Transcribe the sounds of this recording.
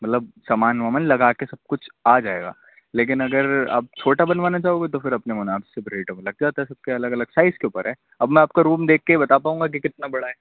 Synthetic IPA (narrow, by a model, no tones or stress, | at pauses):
mɐt̪ləbsaːmaːnʋamənlɐɡaːkesɐb̚kʊt͡ʃʰaːd͡ʒaːḛːɡa̰ː | leːk̬ɪnɐɡəɾa̰ːp̚t͡ʃʰoːʈabɐnʋaːnat͡ʃaːɦoːɡet̪ofɪɾɐpnemʊnaːbɪsebʱɾeːʈəmelɐɡ̚d͡ʒaːt̪aɦɛsɐb̚keɐləɡɐləɡ̥saːɪzkeʊpəɾɦɛː | ɐbmɛ̃aːp̚kaɾuːmd̪eːk̚ʰːeibɐt̪apaːũːŋɡak̬ikɪt̪nabɐɽaɦɛː